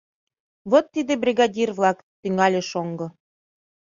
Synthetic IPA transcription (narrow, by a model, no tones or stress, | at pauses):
βot̪ːid̪ebrʲiɣɑdʲirβlɑk | t̪yŋɑlʲeʃoŋɡɤ̆